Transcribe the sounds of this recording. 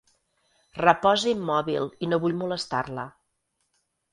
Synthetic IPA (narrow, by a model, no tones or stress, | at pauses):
rəpɔzimːɔβilˠinoβuʎmuləst̪a̰rlə